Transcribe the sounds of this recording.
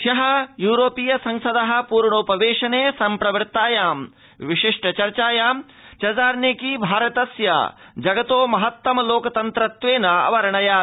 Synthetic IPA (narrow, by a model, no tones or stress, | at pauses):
ʃɐɦɐjuːɾoːpiːjɐsɐ̃ŋsɐd̪ɐɦɐ̆puːɾɳoːpɐʋeːʃɐneːsɐmpɾɐʋɐɾt̪aːjaːm | ʋiʃiʂʈɐt͡ʃɐɾt͡ʃaːjaːm | t͡ʃɐd͡ʒaːɾnekiːbʱaːɾɐt̪ɐsjɐ̰ | d͡ʒɐɡɐt̪oːmɐɦɐt̪ːɐmɐloːkɐt̪ɐnt̪ɾɐt̪ʋeːnɐɐ̰ʋɐɾɐɳɐjaː